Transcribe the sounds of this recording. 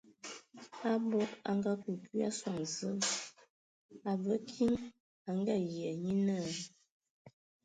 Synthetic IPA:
a˦bɔ˦ka̰˨ŋ˦ɡa˦ku˨ki˦a˦swa˨ŋzə˦m | a˨və˦kʰi˦ŋ | a˨˦ŋ˦ɡa˦˨jjɛ˨ɲi˦nə˦˨

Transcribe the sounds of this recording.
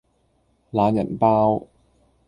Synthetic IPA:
laː˨˥njɐ̰˨˩npaː˥w

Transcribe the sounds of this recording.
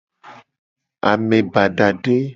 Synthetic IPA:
a̰˨mẽ˨ba˨ɖa˨ɖe˦

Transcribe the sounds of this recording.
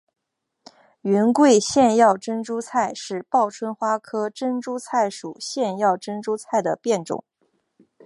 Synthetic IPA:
y˧˥nkwe˥˧ɪɕjɛ˥˧njɑ˥˩ʊʈ͡ʂə˥nʈ͡ʂu˥t͡sʰa˥˧ɪʂɻ̩˥˧pɑ˥˩ʊʈ͡ʂʰwə˥nxwa˥kʰɤ˥ʈ͡ʂə˥nʈ͡ʂu˥t͡sʰa˥˩ɪʂṵ˨˩ɕjɛ˥˧njɑ˥˩ʊʈ͡ʂə˥nʈ͡ʂu˥t͡sʰa˥˩ɪd̪ə˩pjɛ˥˩nʈ͡ʂʊ̰˨˩˦ŋ

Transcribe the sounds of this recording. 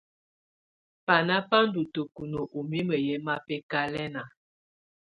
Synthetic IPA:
pa˨na˦pa˦n˦du˨to˨ku˨no˨ʔu˨mi˦mə˨jɛ˦ma˦pɛ˦ka˦lɛ˦na˨

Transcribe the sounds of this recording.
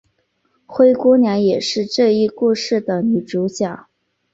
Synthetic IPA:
xwe˥ɪkwɔ˥njɛ˧˥njɛ˨˩ʂɻ̩˥˧ʈ͡ʂɤ˥˧i˥˧ku˥˧ʂɻ̩˥˩d̪ə˩ny˨˩ʈ͡ʂu˧˥t͡ɕja˥˩

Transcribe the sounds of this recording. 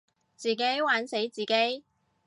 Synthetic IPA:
t͡siː˨˩ke˨˥jwaː˨˥nse˨˥jt͡siː˨ke˨˥j

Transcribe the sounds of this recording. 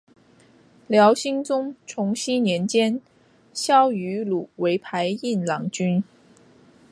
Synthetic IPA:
ljɑ˧˥ʊɕi˥ŋt͡sʊ˥ŋʈ͡ʂʰʊ˧˥ŋɕi˥njɛ˧˥nt͡ɕjɛ˥n | ɕjɑ˥ʊy˧˥lu˨˩we˧˥ɪpʰa˧˥ɪi˥˩nlɑ˧˥ŋt͡ɕy˥n

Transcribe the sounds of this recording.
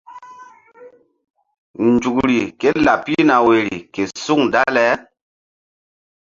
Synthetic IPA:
nd͡ʒu˨kɾi˨ke˦la˨pi˦na˨we˨ɾḭ˨ke˨su˦ŋda˦lɛ˦

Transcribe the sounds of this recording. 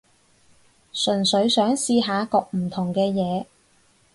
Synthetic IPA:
sɵ˨˩nsɵ˨˧ɥsœː˨˥ŋsiː˧ɦaː˨˧kɔː˧k̚m̩˨˩t̪ʰʊ˨˩ŋkɛː˧jɛː˨˧

